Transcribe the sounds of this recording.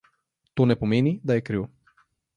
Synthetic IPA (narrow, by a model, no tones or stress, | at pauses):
t̪onɛpomɛnid̪aɛkɾivɔ